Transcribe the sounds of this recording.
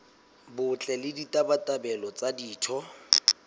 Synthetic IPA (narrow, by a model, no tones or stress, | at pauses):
bʊt͡ɬʼɛlɪditʼabatʼabɛlɔt͡sadiːtʰɔ